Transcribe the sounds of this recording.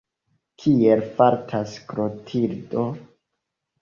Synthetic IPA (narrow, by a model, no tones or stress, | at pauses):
kʰielfaɾtʰaskɾotʰiɾdo